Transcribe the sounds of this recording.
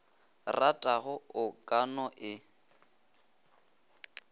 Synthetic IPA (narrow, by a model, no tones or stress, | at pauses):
ratʼaɣʊʊkʼanɔʔɪ